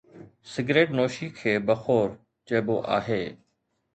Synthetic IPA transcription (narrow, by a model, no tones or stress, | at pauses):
sɪɡɾeːʈnoːʃiːkʰeːbəxoːɾ | t͡ʃeːboːʔa̰ːɦeː